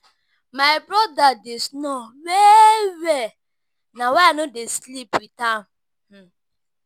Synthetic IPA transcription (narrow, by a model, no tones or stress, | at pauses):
maɪbɾɔdadesnɔwewɛ | nawɛanodeslipwitam̩ | h̩